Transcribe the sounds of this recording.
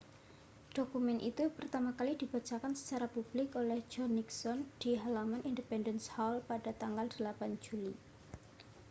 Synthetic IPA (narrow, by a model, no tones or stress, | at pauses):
ɖ̥okumɛnʔḭt̪upərt̪amakalid̥i̤b̥a̤t͡ʃakansə̥t͡ʃaɾapub̥lɪkolɛhd͡ʒɔniksɔnd̥iɦalamanʔindəpɛndənshalpad̥at̪aŋɡald̥əlapand͡ʒuli